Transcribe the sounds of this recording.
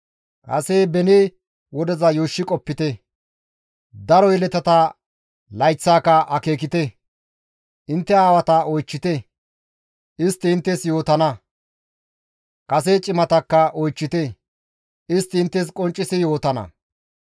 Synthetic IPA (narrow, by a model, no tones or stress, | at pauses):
kɐ̰sebɛneː | wɔd̪ɛzɐjoːʃːɪkʼɔpːɪt̪ɛ | d̪ɐɾɔjɪlɛt̪ɐt̪ɐ | lɐjt͡sːaːkɐʔɐke̞ːkɪt̪ɛ | ʔɪnt̪ːɛaːwɐt̪ɐɔjt͡ʃːɪt̪ɛ | ʔɪst̪ːɪːnt̪ːɛsjo̞ːt̪ɐnɐ | kʼɐs̬et͡ʃʼɪmɐt̪ɐkːɐʔɔjt͡ʃːɪt̪ɛ | ɪst̪ːɪɪnt̪ːɛs̬kʼɔnt͡ʃʼːɪsɪjo̞ːt̪ɐnɐ̰